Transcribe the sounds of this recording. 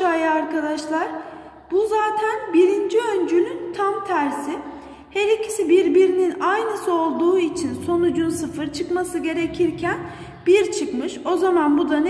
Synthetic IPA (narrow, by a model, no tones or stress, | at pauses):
aːjɯaɾkad̪aʃlˠaɾ̥ | b̥uzaːt̪ʰænbiɾind͡ʒiø̞nd͡ʒylʲynt̪ʰamt̪ʰæɾsi | heɾicʰi̥sibiɾbiɾininajnɯsɯo̞lˠd̪uːit͡ʃʰinso̞nud͡ʒunsɯfɯɾt͡ʃʰɯkmasɯɟe̞ɾe̞cʰiɾcʰæn | b̥iɾt͡ʃʰɯkmɯʃo̞zamanbud̪an